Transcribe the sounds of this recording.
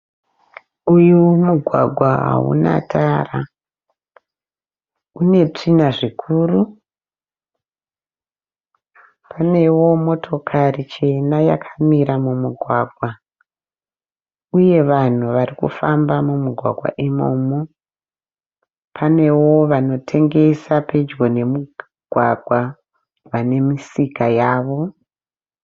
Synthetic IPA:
ujumuɡʱwaɡʱwaɦa̰ṵna̰tʰaːra | une̞t͡ʂinaʐikʰuːru | pʰane̞wo̞mo̞tʰo̞kʰarit͡ʃe̞najakʰḁmiɾamumuɡʱwaːɡʱwa | uje̞ʋan̤uʋarikṵfambamumuɡʱwa̰ɡʱwa̰ʔimo̰ːmo | pʰane̞wo̞ʋano̞tʰe̞ŋɡe̞sape̞d͡ʒɡo̞ne̞mu | ɡ̥ʱwa̰ɡʱwa | ʋane̞misikajaːʋo̞

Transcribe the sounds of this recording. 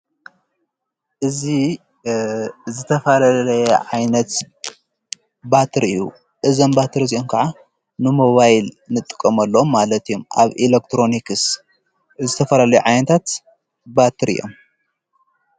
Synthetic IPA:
ʔɨzi | zɨt̪ʰɐfɐlallɐjɐʕajnɐt̪ | bat̪ʰɨɾɨ̰jṵ | ʔɨzɐmbat̪ʰɨɾziʔomkʰaʕa | nɨmo̞βajlnɨt̪ʼɨ̥kʼːɐmɐlːɐomːalɐt̪ʰijomʔa̰βʔilek̚t̪ʰɾo̞nikɨs | zɨt̪ʰɐfɐlalɐjuʕajnɐt̪ʰat̪ | bat̪ʰɨɾɨ̰jːo̞̰m

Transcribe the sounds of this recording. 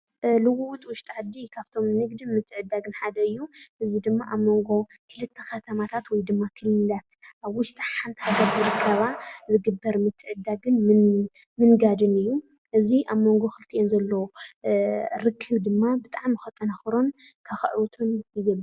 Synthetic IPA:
lɨwut̪ʼwʊʃt̪ʼʕad̪ːikʰaβt̪ʰo̞mnɨɡd̪imɨt̪ʰːɨʕɨd̪ːaɡɨnħad̪ɐɨjːuʔɨzid̪ɨmːaʔaβmo̞ŋɡo̞ | kʰɨlɨt̪ʰːexɐt̪ʰɐmat̪ʰat̪wɔjd̪ɨmːakʰɨlːɨlat̪ʔaβwʊʃt̪ʼaħant̪ʰi̥haɡɐɾzɨɾɨkʰːɐβazɨɡɨbːɐɾmɨt̪ʰːɨʕɨd̪aɡɨnmɨmɨnɡad̪ɨnɨjːu | ʔɨziʔaβmo̞ŋɡo̞xɨlt̪ʰiʔonzɐlːow | ɾɨkʰːɨβd̪ɨmːabɨt̪ʼaʕmjɨxɨt̪ʼːɐnɐxɾo̞nkʰɐxɨ̰ʕwt̪ʰomjɪɡɐlː

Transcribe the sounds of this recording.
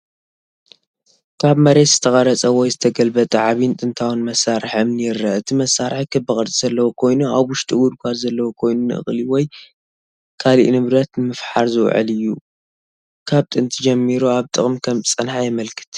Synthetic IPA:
kʰaβmɐɾet̪z̥ɨt̪ʰɐχʼɐɾɐt͡sʼɐwɔjzɨt̪ʰɐɡɐlbɐt̪ʼɐʕaβint̪ʼɨnt̪ʰawunmɐsːaɾɨħɨmnɨjɪɾːɨɨt̪ʰimɐsːaɾħkʰɨbːɨχʼɐɾt͡sʼiz̥ɐlːɐwokʰo̞jnuaβwʊʃt̪ʼiɡud̪kʷʰazɐlːɐwokʰo̞jnunɨʔɨ̰χʼliwɔj | kʰalḭʔnɨβɾɐt̪nɨmɨfħaɾzɨw̰ʕɨ̰lɨjːu | kʰaβt̪ʼɨnt̪ʰɨd͡ʒɐmːiɾuaβt̪ʼɨχʼmkʰɐmt͡sʼɨnħajɛmɐlkʰɨ̥t̪

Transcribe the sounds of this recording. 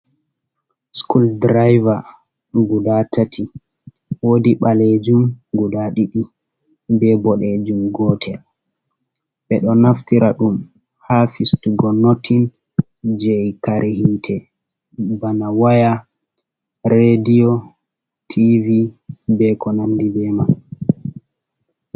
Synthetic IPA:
skuldɾajva | ɡudatʰatʰi | wodiɓaled͡ʒumɡudaɗiɗi | bɛbɔɗɛd͡ʒumɡɔtʰɛl | ɓɛɗɔnaftiɾaɗum | hafistuɡɔnotʰːin | d͡ʒɛjkaɾʔehitʰɛ | banawaja | ɾedijɔ | tʰivibɛkɔnandibɛman

